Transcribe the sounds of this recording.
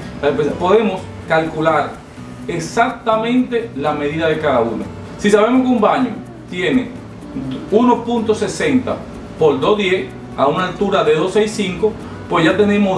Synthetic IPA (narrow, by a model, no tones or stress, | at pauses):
epepo̞ðe̞mo̞s | kalkulaɾ | esak̚t̪amẽ̞nt̪e̞lame̞ðiðaðe̞kaðauno̰ | sisaβe̞mohkeumbaɲo | t̪je̞ne̞̰ | unospunt̪o̞se̞se̞nt̪a̰ | po̞ld̪o̞sðje̞s | a̰unaːlt̪uɾaðe̞ðo̞seisiŋko | pwesʝat̪e̞nẽ̞mo